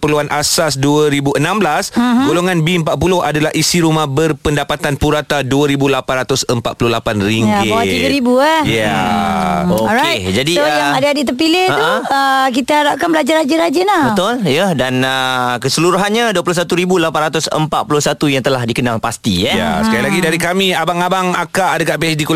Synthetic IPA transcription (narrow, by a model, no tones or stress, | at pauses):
pərluanʔasasduəɾibuənãmblasɡoloŋanbiəmpaʔ̚pulʊɦadalahʔisiɾumahbərpəndapat̪anpuɾat̪aduaɾibulapanrat̪ʊsəmpa̰t̪̚pulʊhlapanɾiŋɡawat̪iɡaɾibuɛja | oked͡ʒadijaadaadit̪əpilɪhaək̬it̪aaɾap̚kanbəlad͡ʒaɾad͡ʒaɾad͡ʒənabət̪ʊljədanəkəsəluɾuɦanɲaduapulʊhs̬at̪uɾibulapanrat̪ʊsə̰mpat̪pulʊhsat̪ujaŋt̪əlahdikənalpast̪ḭjaja̰səkajlaɡidaɾikamiabaŋabaŋakaʔːdakaʔpiɛsdiku